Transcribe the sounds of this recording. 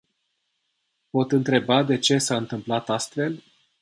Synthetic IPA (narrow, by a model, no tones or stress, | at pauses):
po̞t̪ɨnt̪ɾe̞bad̪e̞t͡ʃe̞saɨnt̪ɨmplat̪ast̪fe̞l